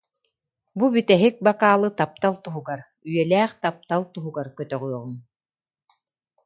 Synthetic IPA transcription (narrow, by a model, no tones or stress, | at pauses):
bubyt̪ɛɦik̚bakaːlˠɯt̪ap̚t̪alˠt̪uɦuɡaɾ | yjɛlɛːχt̪ap̚t̪alˠt̪uɦuɡaɾkœt̪œʁyɔʁun